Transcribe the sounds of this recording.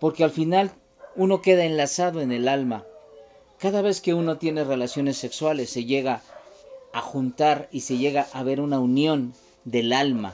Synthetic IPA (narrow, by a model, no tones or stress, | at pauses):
po̞ɾke̞alfinal | uno̞ke̞ðae̞nlasaðo̞e̞ne̞lalma | kaðaβe̞ske̞uno̞t̪je̞ne̞re̞lasjo̞ne̞sːe̞kswale̞sːe̞ʝe̞ɣaː | xunt̪aɾise̞ʝe̞ɣaʔaβe̞ɾunaunjo̞n | d̪e̞lalma̰